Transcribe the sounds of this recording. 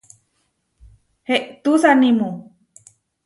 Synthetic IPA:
heʔt̪usanimu

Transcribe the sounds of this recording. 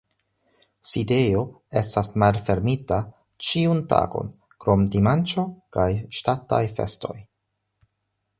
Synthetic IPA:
side̞jo̞ | e̞stasmalfe̞ɾmita | t͡ʃiunta̰ɡo̞̰n | kɾo̞mdimant͡ʃo̞kajʃtata̰jfe̞̰sto̞̰j

